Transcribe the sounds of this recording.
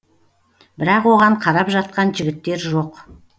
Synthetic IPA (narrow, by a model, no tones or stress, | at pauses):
bɪɾɑqwo̞ʁɑɴqʰɑɾɑpʒɑt̪̚qɑnʒɪɡʲɪt̪ːe̞ɾʒo̞q